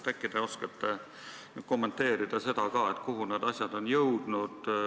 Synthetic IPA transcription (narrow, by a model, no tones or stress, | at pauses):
t̪ækːˑid̪̥eo̞skɑt̪ːe | ko̞mːe̞nt̪ːe̞ːɾid̪̥ɑse̞d̪̥ɑkɑːe̞t̪ːˑkuɦune̞ːd̪ɑsʲjɑd̪̥o̞njɤwd̪̥nud̪̥